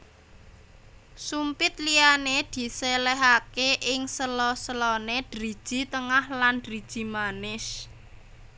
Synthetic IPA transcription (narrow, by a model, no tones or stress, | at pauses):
sumpɪt̪̚lianed̪̥i̤selɛɦakeʔɪŋsəlɔsəlɔned̥ɾid̥ʒ̥i̤t̪əŋahlandɾid̥ʒ̥i̤manɪs